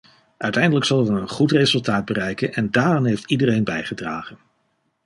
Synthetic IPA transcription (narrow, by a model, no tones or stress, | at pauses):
ʔœɥtɛjndələksɑlˠʋənənχutrezɵlˠtaːd̚bərɛjkənʔɛndaːranɦejftidərejnbɛjχədra̰ːχən